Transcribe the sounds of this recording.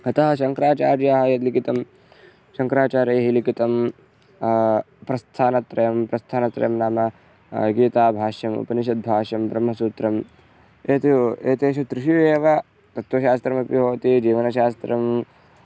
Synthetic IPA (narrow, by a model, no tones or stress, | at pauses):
ɐt̪ɐɦɐʃɐŋkɾaːt͡ʃaːɾjaːɦɐ̆jɐd̪likit̪ɐm | ʃɐŋkɾaːt͡ʃaːɾɐːɦilikit̪ɐm | pɾɐst̪ʰaːnɐt̪ɾɐjɐmpɾɐst̪ʰaːnɐt̪ɾɐ̰jɐmnaːmɐ | ɡiːt̪aːbʱaːʃjɐmṵpɐniʃ̬ɐd̪̚bʱaːʃɐmbɾɐmɦɐsuːt̪ɾɐm | eːt̪ieːt̪eːʃut̪ɾɪʃjueːʋɐ | t̪ɐt̪ʋɐʃaːst̪ɾɐmɐpiɦoːt̪id͡ʒiːʋɐnɐʃaːst̪ɾɐm